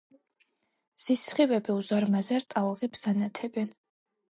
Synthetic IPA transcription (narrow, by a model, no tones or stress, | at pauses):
z̥isχiwɛbiuzaɾmazɛɾt̪ʼalˠʁibz̥anat̪ʰɛbɛn